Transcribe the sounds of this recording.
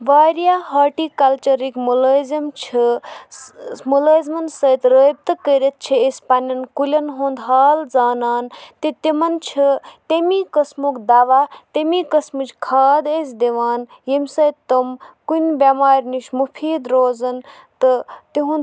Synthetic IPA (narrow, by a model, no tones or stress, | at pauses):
ʋaːɾijaɦaːʈikɐlt͡ʃɐɾikmuləzɐmt͡ʃʰi | muləzmɐnsət̪ɾəːjb̚t̪ɐkəɾʲet̪̚t͡ʃʰiespanɐnkulʲɐnɦõːnd̪ɦaːld͡zaːnaːnt̪it̪emɐnt͡ʃʰit̪emikɐsmukd̪aːʋat̪emikɐsmut͡ʃʰkʰaːd̪esd̪eʋaːn | jemsɐjt̪ːɐmkunbamaːɾʲniʃmupʰiːd̪ɾoːzɐn | t̪ɨt̪iɦũn